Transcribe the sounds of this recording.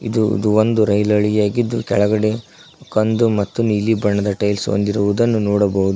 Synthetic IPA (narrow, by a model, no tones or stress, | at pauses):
id̪ṵd̪uond̪uɾɐjlɐɭijaːɡid̪ːukɛɭɐɡɐɽe̞ | kɐnd̪umɐt̪ːuniːlibɐɳːɐd̪ɐʈɐjlso̰nd̪iɾuʋud̪ɐnːunɔːɽɐbɐɦud̪u